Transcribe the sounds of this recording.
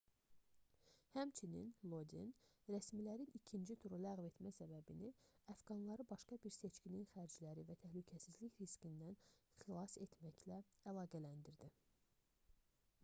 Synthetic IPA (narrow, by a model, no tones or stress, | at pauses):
hæmt͡ʃʰinḭnlˠo̞d̪ḭnɾæsmilæɾinicʰind͡ʒit̪ʰuɾulæɣve̞t̪mæsæbæbiniæfɡɑnlˠɑɾɯbɑʃkɑbiɾse̞t͡ʃcininxæɾd͡ʒlæɾivæt̪ʰæhlycʰæsizliçɾiskind̪ænχilˠɑse̞t̪ʰmæçlæælˠɑːɡælænd̪iɾd̪i